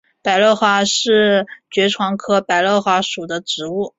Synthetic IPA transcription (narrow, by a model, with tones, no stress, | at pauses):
pa˨˩ɪlɤ˥˩ʊxwa˧˥ʂɻ̩˥˩t͡ɕɥɛ˧˥ʈ͡ʂʰwɑ˧˥ŋkʰɤ˥pa˨˩ɪlɤ˥˩xwa˧˥ʂu˨˩d̪ə˦ʈ͡ʂɻ̩˧˥u˥˩